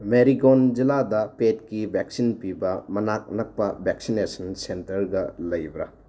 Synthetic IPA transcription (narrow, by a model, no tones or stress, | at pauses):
meɾiɡond͡ʒiladɐpetkibʱek̚sinpibɐmɐnak̚nɐk̚pɐbʱek̚sinesɐnsentɐɾɡɐlɐjbɾɐ